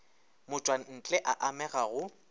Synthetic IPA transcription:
mʊt͡ʃʼwan̩t͡ɬʼɛʔaʔamɛɣaɣʊ

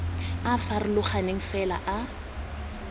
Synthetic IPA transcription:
afarɪlʊχanɪŋ̩fɛla̰ʔa

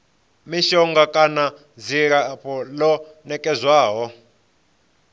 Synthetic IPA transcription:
miʃɔŋɡakʼana | ziɾapɔlɔ | nɛkʼɛzwaːɦɔ

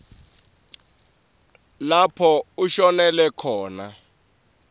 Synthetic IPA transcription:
lapʰɔuʃɔnɛlɛkʰɔːna

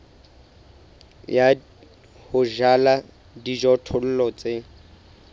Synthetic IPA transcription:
ja | hʊʒala | did͡ʒɔtʰʊl̩lɔt͡sʼe

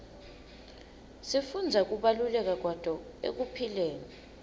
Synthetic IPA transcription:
sifund͡zʱak̬uɓalulɛk̬ak̬wad̥ʱɔḛk̬upʰilɛːnɛ

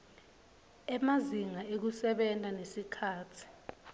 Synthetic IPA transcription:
ɛmaziŋaek̬usɛɓɛntʼanesikʰaːtʰi̥

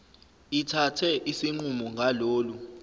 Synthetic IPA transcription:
itʰatʰɛʔisiŋ͡ǃumɔŋɡʱaloːlu

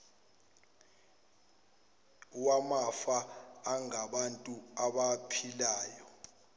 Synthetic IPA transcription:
uwamafaːŋaɓantʼuaɓapʰilaːjɔ

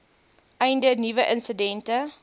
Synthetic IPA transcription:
ʔɛjndənivəʔənsədɛntə

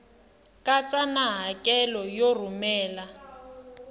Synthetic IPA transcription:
kʼat͡sʼanaɦakʼɛlɔjor̤umɛːla

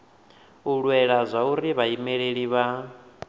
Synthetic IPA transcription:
uɺwɛɺazʷauɾiβaimɛɺeɺiβa

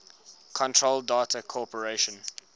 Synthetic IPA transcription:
kʰɔ̃ntʰɹoldaːtʰəkʰɔpəɹeʃə̃n

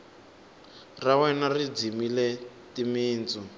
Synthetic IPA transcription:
rawɛnarid͡zimilɛ | timiːnt͡su

